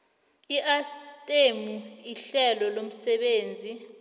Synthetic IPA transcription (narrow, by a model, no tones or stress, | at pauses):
iʔastʼemuiɬɛlɔlom̩sɛɓeːnd͡zʱi